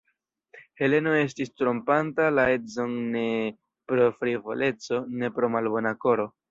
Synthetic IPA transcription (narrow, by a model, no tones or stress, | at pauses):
he̞le̞noe̞s̬tistɾompantalae̞tzo̞nne̞ | pɾo̞fɾivo̰lʔe̞t͡so̞ne̞pɾo̞malbo̞nako̞ɾo̞